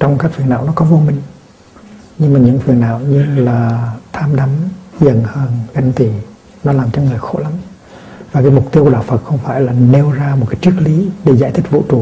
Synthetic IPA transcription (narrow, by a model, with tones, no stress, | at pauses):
t͡ɕɔ˧wŋ͡mkaː˦˥k̚fi˨˩əna̰ː˧˨wnɔ˨˦kɔ˨˦vo˧mï˨˩ŋ̟ | ɲɨ˧ŋmaː˨˩ɲɨ̰˧˥ŋfi˨˩əna̰ː˧˨wɲɨ˧laː˨˩t̪ʰaː˧mɗa˨˦mzə̰˧˨nhəː˧˩nɣa˧˩jŋ̟t̪i˧˩ | nɔ˨˦laː˨˩mt͡ɕɔ˧ŋɨ˨˩əjxo̰˧˥la˨˦m | vaː˨˩kaː˨˦jmʊ˨˩k͡p̚t̪i˧kːɗa̰ː˧˩wfə˨˩t̚xə˧wŋ͡mfaː˧˩jlaː˨˩ne˧wzaː˧mo˨˩t̚kaː˨˦jt͡ɕɨ˦˥ək̚li˨˦ɗe˧˩zaː˧˨jt̪ʰï˦˥k̚vṵ˧˥t͡ɕu˨˩˨